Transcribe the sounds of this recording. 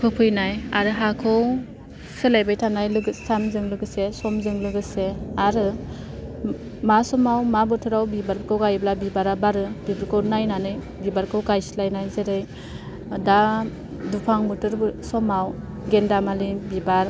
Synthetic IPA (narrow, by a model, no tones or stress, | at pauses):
pʰɯpʰɯjnajaɾɯɦakʰɯw | sɯlajbajtʰanajlɯɡɯsamzɯŋlɯɡɯsesɔmzɯŋlɯɡɯseaɾɯ | masɔmawmabɯtʰɯɾawbibaɾkʰɯwɡajblabibaɾabaɾɯbibɯɾkʰɯwnajnanɯj | bibaɾkʰɯwɡajsi̥lajnajzeɾɯj | da | dupʰaŋmɯtɯɾbɯsɔmaw | ɡendamalibibaɾ